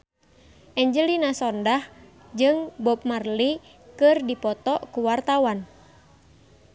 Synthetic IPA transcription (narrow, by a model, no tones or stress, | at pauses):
ʔɛɲd͡ʒəlinasɔndah | d͡ʒɨŋbɔp̚marli | kɨrdipɔt̪ɔʔkuwart̪awan